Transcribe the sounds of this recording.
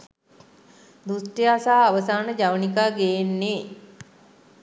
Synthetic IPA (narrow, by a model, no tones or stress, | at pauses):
d̪usʈiasaːʋəsaːnəd͡ʒaʋənikaːɡejenːeː